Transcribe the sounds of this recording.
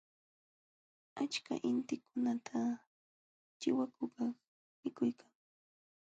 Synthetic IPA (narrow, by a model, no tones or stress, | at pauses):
at͡ʃka̰ʔɪnt̪ɪkʊnat̪ʰa | t͡ʃɪwakʊkɑχ | mɪkʊjkʰaŋ